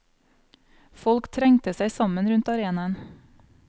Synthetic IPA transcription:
fɔlkt̪ʰɾɛŋt̪əsæɪsɑmənɾʉnt̪ɑɾeːnɑən

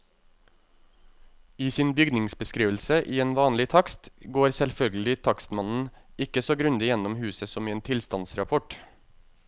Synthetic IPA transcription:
iːsiːnbʏɡnɪŋsbəskɾiːʋl̩səʔiːeːnʋɑːnlɪt̪ʰɑkst̪ɡoːɾsɛlfœlɡəl̩ɪt̪ʰɑkst̪mɑnn̩ɪkəsoːɡɾʉnd̪ɪjɛnɔmhʉːsəsɔmiːeːnt̪ʰɪlst̪ɑnsɾɑpʰɔʈ

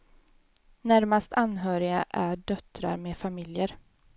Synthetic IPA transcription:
næɾmast̪ʰanɦœːɾɪɡa̰ʔæɖœt̪ɾa̰ɾmeːfamɪljəɾ

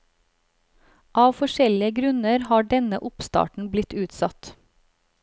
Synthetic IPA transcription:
ʔɑːʋfɔʃɛlɪəɡɾʉnəɾhɑːɖɛnəʔʊpst̪ɑ̰ːʈɳ̩blɪt̪ʉːt̪sɑt̪

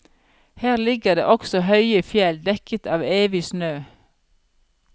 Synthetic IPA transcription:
hæːʁlɪɡəʁd̪ḛːʔɔksɔhœʏəfjɛld̪ɛkət̪ʰɑːʋeːʋɪsnøː

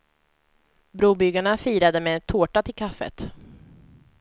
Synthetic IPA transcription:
bɾuːbʏɡaɳafiːɾad̪əmet̪ʰoːʈat̪ʰɪlkʰafːə̰t̪

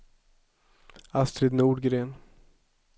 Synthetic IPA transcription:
ast̪ɾed̪nuːɖɡɾeːn

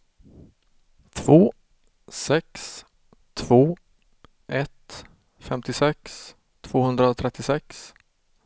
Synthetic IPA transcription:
t̪ʰv̥oː | sɛks | t̪ʰv̥oː | ʔɛt̪ | fɛmt̪ɪsɛks | t̪ʰv̥oːhɵnd̪ɾaɔt̪ʰɾɛt̪ːɪsɛks

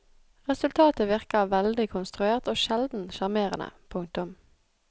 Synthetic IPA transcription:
ʁɛsʉlt̪ʰɑːt̪əʋɪʁkəʋɛld̪ɪkʰʊnst̪ʁʉeːʁt̪oːʃɛld̪n̩ʃɑʁmeːʁə̰nə̰pʰʊŋ̚t̪ʊm

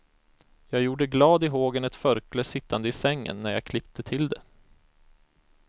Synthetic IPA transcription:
jɑːɡjuːɖəɡlɑːd̪ɪɦoːɡənɛt̪fœɾkləsɪt̪ːand̪əɪsɛŋːə̰nːæɾjɑ̰kʰlɪp̚t̪ʰət̪ʰɪld̪ɛ

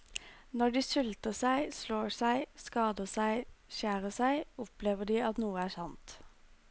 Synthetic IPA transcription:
nɔɖiːsʉlt̪əsæɪsloːsæɪskɑːd̪əsæɪʃæːʁəsæɪʊpleːʋəɖiːɑt̪nuːəæːsɑnt̪

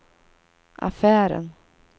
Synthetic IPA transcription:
ʔa̰fæːɾə̰n

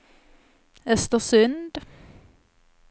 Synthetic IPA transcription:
ɛst̪əʁsʉnd̪

